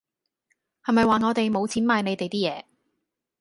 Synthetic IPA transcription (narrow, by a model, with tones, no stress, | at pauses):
hɐ˨jmɐ˨jwaː˨ŋɔː˨˧t̪e˨jmo˨˧wt͡sʰiː˨˥nmaː˧jne˨˧jt̪e˨jt̪iː˥jɛː˨˧